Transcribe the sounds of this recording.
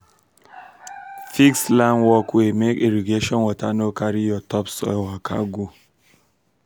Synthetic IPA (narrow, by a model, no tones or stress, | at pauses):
fikslanwɔkemekeɾiɡeʃɔnwɔtanokaɾijɔtɔpsɔ̰wakʰa̰ɡu